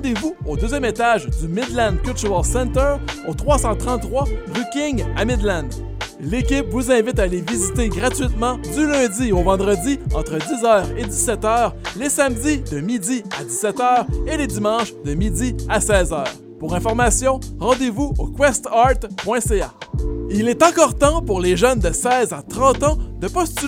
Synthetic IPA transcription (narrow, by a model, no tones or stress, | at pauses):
ɑ̃d̪evuod̪øːzjɛmet̪aʒd̪ymɪd̪lɛ̃nkʲylt̪yʁɛlsɛ̃nt̪œot̪χwasɑ̃t̪χʁɑ̃t̪ːχwaʁykʲɪŋa̰mɪd̪lɛ̃n | lekʲɪpvuzɛ̃vɪt̪alevizit̪eɡʁat̪ɥit̪mɑ̃d̪ylœ̃d̪iovɑ̃d̪ʁəd̪iɑ̃t̪χəd̪izœːʁed̪isɛt̪œːʁlesamd̪id̪əmid̪iad̪isɛt̪œːʁeled̪imɑ̃ːʃd̪əmid̪iasɛːzœːʁ | puʁɛ̃fɔʁmasjɔ̃ʁɑ̃d̪evuokwɛst̪ɑt̪pwɛ̃seailɛt̪ɑ̃kɔːʁt̪ɑ̃puʁleʒœnd̪əsɛːzat̪ʁɑ̃t̪ɑ̃d̪əpɔst̪y